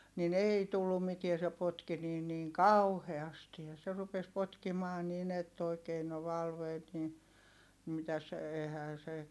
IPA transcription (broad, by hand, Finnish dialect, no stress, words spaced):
nin eˑi tulːum mitie se potki niːn niːŋ kɑuheɑsti jɑ se rupes potkimɑː nin etː oikeː no ʋɑlʋeːt ni mitæs eihæː se